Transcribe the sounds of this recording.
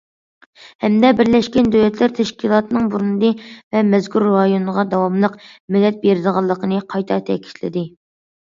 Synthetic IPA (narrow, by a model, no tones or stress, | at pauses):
hɛmd̪ɛbɪɾlɛʃkʲɛnd̪ølɛt̪ʰlæɾt̪ʰɛʃkʲilˠɑːt̪ɨnɨŋbuɾunɨd̪ɨvɛmɛzkʰʲuɾːɑjonəʁɑd̪ɑwɑmlˠəqmɪlːɛt̪̚beɾɪd̪əʁɑlˠːəqʰənɨqʰɑjt̪ʰɑt̪ʰɛ̰kʲʰi̥ʃlɪ̰d̪ɪ